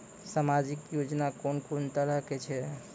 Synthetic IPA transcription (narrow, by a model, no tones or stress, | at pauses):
samad͡ʒikjod͡ʒnakonkont̪əɾəɦket͡ʃʰɛ